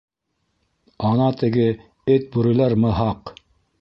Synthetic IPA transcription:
ɑnɑt̪ɘ̆ɡɘ | ɘt̪̚buɾɘ̆læɾmɤɦɑq

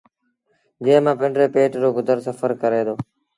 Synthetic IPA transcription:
d͡ʒɪ̃ːɦmãːpɪɳɖɾeːpeːʈd͡ʒoːɡʊd̪ʱəɾsəfəɾkəɾeːd̪oː

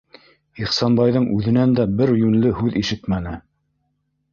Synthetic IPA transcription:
iχsɑnbɑjðɤɴʔʉðɘ̆nænd̪æbɘɾjʉnlɘhʉðiʃɘt̪mænɘ

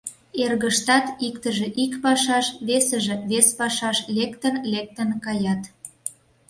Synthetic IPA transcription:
erɣəʃt̪ɑt̪ikt̪əʒĕʔikpɑʃɑʃβesəʒĕβespɑʃɑʃlekt̪ənlek̚t̪ənkɑjɑt̪

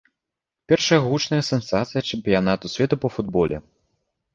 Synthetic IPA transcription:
pʲɛrʂɐjɐɣut͡ʂnɐjɐsʲɛnsat̪sɨjɐt͡ʂɛmpʲijanat̪usʲvʲɛt̪upɐfud̪bɔlʲɛ̰

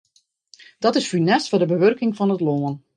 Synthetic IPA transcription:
d̥ɑtɪsfynɛstfɔdəbəʋørkɪŋvɑnətloːən

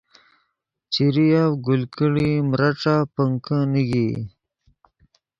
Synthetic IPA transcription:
t͡ʃiɾijawɡulkiɽimɾaʈ͡ʂapəŋkəniɡi

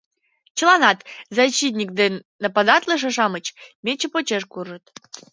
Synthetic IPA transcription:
t͡ɕəlˠɑnɑt̪zɑɕit̪̬nʲik̚d̪enːəpɑd̪ɑt̪ləʃ̬ĕʃɑmət͡ɕmʲet͡ɕəpot͡ɕeʃkurʒət̪

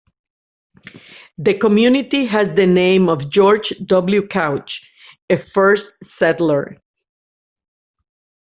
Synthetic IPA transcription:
ðəkɔmjunit̪iɦæzðənẽɪ̃mɔvd͡ʒɔɹd͡ʒdʌbljukʰawt͡ʃ | efɜ˞stsɛtlə˞

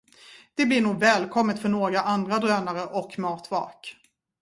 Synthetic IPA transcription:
d̪̥ɛblɪɳuːɡvɛːlkʰɔmːət̪fœɳoːɡɾaʔand̪ɾad̪ɾøːnaɾəʔɔkːmɑːt̪vɑ̰ːk

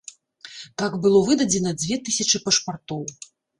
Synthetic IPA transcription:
t̪aɡbɨlˠɔvɨd̪ɐd͡zʲɛnɐd͡zʲvʲɛt̪ɨsʲɐt͡ʂɨpɐʂpart̪ɔw

